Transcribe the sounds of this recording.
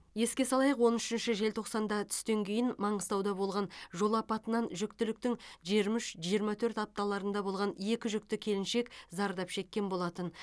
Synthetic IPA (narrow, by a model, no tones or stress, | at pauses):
je̞skʲesɑlˠɑjəqwo̞nʏʃɪnʃɪʒe̞lt̪ʰo̞qsɑnd̪ɑt̪ʰʏ̥st̪e̞ŋkʲʰe̞jɪnmɑɴəst̪ɑwd̪ɑbo̞lˠʁɑnʒo̞lˠɑpɑt̪ənɑnʒʏk̚t̪ɪlɪk̚t̪ɪŋʒiɾmʏʃʒijəɾmɑt̪ʰɵɾt̪ɑp̚t̪ɑlˠɑɾənd̪ɑbo̞lˠʁɑnje̞kʲɪʒʏk̚t̪ɪkʲʰe̞lɪnʃe̞kʲzɑɾd̪ɑpʃe̞kʲːe̞nbo̞lˠɑt̪ən